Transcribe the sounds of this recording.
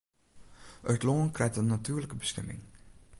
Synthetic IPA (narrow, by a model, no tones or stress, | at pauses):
ʔœtlonkrɛjtənːatyːrləkəbəsxɛmɪ̰ŋ